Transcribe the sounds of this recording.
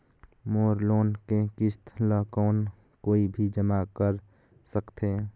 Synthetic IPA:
moːɾloːnkekɪst̪ʰləkɔːn | koːibʱid͡ʒəmakəɾ | səkt̪ʰeː

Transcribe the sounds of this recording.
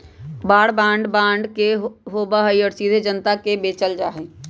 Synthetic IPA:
baːɽbãːɳɖbãːɳɖkeɦoːbaɦəiɔːɾsiːd̪ʱed͡ʒənt̪akebeːt͡ʃəld͡ʒaːɦe

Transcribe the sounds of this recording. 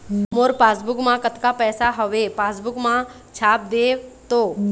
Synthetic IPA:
moːɾpaːsbʊkmãkət̪kapɛːsaɦəʋepaːsbʊkmã | t͡ʃʰaːp̚d̪eːt̪oː

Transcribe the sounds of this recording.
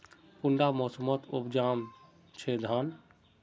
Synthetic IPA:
puɳɖamosəmət̪ʰubd͡ʒam | t͡ʃʰed̪ʱən

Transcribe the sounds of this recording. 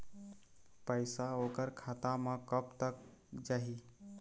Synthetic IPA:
pəɪsaokəɾkʰat̪amə̃kəpt̪ək̚d͡ʒaɦi

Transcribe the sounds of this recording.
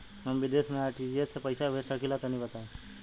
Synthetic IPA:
ɦəmʋɪd̪eːsmẽaːɾʈid͡ʒiessepəɪsabʱesakilat̪ɐnĩbət̪aẽː

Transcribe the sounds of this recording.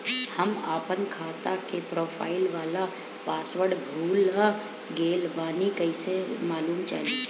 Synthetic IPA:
hɐmaːpənkʰaːt̪akepɾoːpʰa̰ːɪlʋaːla | paːsʋəɽbʱuːlɦã | ɡeːlbaːnikəɪsemaːluːmt͡ʃa̰ːlẽ

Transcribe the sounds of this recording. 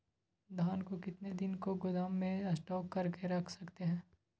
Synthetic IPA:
d̪ʱaːnkokɪt̪ned̪ɪnkoɡʊd̪aːmːẽɐsʈɔːkːɐɾkeɾɐkʰsɐkt̪eɦɛ̃ː

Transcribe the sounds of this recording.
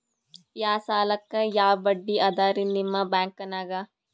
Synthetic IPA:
jaːsaːlɐkːɐjaːbɐɖːiʔɐd̪aːɾinimːɐbaːŋkɐnaːɡa

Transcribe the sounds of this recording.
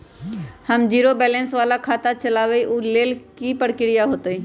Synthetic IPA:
həmd͡ʒiːɾobɛːlɛ̃nsʋaːlakʰaːt̪at͡ʃɐlaːʋeiʔuleːlkipəɽkɪɽijaɦoːt̪iː

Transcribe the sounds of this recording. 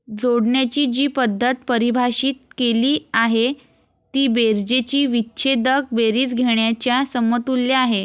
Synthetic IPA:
d͡zoɽɳjat͡ɕiːd͡ʑiːpəd̪ʱːət̪pəɾibʱaɕiːt̪̚keliːaɦe | t̪iːbeɾd͡ʑet͡ɕiːʋitːɕʰed̪ək̚beɾiːt͡sɡʱeɳjat͡ɕjasəmət̪ulːjaːɦe

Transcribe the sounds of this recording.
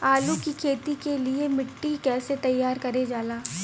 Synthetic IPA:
aːlukikʰeːt̪ikeliemɪʈːikɛːset̪ɐjːaːɾkɐɾed͡ʒaːlaː

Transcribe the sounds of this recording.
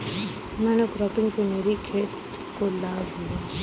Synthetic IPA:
mɛ̃ːnekɾɔːpɪ̃ŋɡsemeːɾikʰeːt̪ | kolaːʋɦijaː

